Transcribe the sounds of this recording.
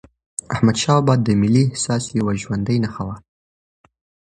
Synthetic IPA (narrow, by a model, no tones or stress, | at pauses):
ahmad̪ʃɑbɑd̪ːəmɪlːihsɑsjawaʒwand̪əjnaxawa